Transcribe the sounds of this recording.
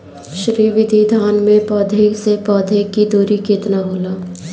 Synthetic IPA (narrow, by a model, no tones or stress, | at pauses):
ʃɾiːʋɪd̪ʱid̪ʱaːnmẽpɔːd̪ʱeksepɔːd̪ʱekːid̪oːɾikɪt̪naɦoːlaː